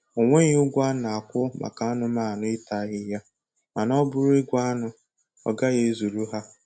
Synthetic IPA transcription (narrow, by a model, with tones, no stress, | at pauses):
o˨ŋʷe˦ɲɪ˦ʊ˦ɡʷa˦na˨a˨kʷʊ˦ma̰˨ka˨a˦nʊ˨maː˦˨nʊ˦ɪ˦ta˨˦ɣɪ˦ja˦ | a˨nɔ˦bʊ˨ɾe˦ɡʷa˦a˦nʊ˨ | ɔ̰˨ɡa˦ɣe˦zu˨ɾu˦ɦa˦